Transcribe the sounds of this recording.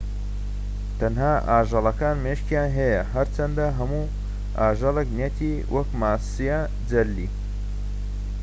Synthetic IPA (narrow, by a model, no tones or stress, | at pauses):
t̪ʰɐnɦaːaːʒɑlˠɐkaːnmeʃcijaːnɦɛjɐɦɐɾt͡ʃʰɐnd̪aɦɐmuː | aːʒɐlˠeknet̪ʰiː | wʔɐkmaːsijɐ | d͡zɐlːḭː